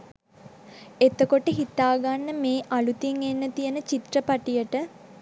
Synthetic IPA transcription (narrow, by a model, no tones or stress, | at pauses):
et̪əkoʈəɦit̪aːɡanːəmeːʔalut̪iŋenːət̪ijənət͡ʃit̪rəpaʈijəʈə